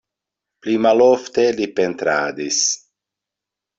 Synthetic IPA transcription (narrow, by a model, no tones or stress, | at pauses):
plimaloft̪elipent̪ɾa̰ːd̪is